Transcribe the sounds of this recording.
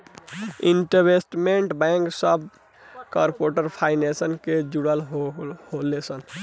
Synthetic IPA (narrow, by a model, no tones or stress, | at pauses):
iɳʈəbesʈmeɳʈbɛ̃ŋksəb | kaɾpoʈəɾpʰaɪnesənked͡ʒuɽəlɦholesən